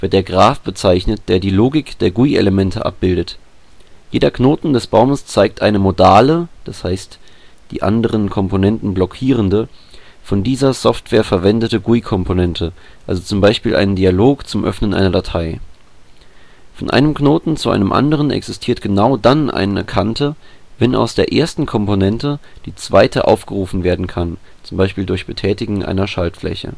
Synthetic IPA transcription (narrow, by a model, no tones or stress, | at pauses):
v̥ɪɐt̚d̥eːɐɡʁaːfb̥ət͡saɪçnət̚d̥eːɐdiːloːɡɪkd̥eːɐɡuiʔḛləmɛntʰəʔa̰p̚b̥ɪldət | jeːdɐknoːtn̩dɛsb̥aʊməst͡saɪk̚tʔaɪnəmodaːləd̥ashaɪstd̥ḭːʔa̰ndəʁ̞ənkʰɔmponɛntn̩blɔkʰiːʁ̞əndə | fɔndiːzɐsɔftv̥eːɐfɛɐvɛndətəɡuikʰɔmpʰonɛntʰəʔalzot͡sʊmbaɪʃpiːlʔa̰ɪnəndialoːkt͡sʊmʔœ̰fnənʔa̰ɪnɐdatʰaɪ | fɔnʔa̰ɪnəmknoːtn̩t͡suʔa̰ɪnəmʔa̰ndəʁ̞ənɛ̰ksɪstʰiːɐtɡ̥ənaʊdanʔa̰ɪnə̰kʰantʰəvɛna̰ʊsd̥eːɐʔeːɐstn̩kʰɔmponɛntəd̥iːt͡sv̥aɪtʰə̰ʔa̰ʊfɡ̥əʁuːfn̩veːɐdn̩kʰan | t͡sʊmbaɪʃpiːldʊɐçb̥ətʰɛːtɪɡŋ̩ʔa̰ɪnɐʃaltflɛ̰çə̰